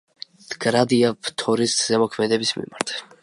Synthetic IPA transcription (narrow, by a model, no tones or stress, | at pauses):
d̪̥ɡɾad̪iapt̪ʰɔɾist̪zɛmɔkʰmɛd̪ɛbismḭmaɾt̪ʰ